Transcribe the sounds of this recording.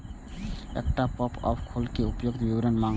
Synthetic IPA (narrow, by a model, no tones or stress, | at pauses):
ɛ̰k̚ʈapɔpɔ̰bkʰolkeupjoɡ̚t̪bibɾənmaŋ